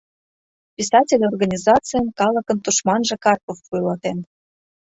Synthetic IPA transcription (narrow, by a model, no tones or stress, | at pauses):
pʲisɑtʲelʲorɣɑnʲizɑt͡sɨjənkɑlə̆kə̆nt̪uʃmɑnʒĕkɑrkofːujlɑt̪en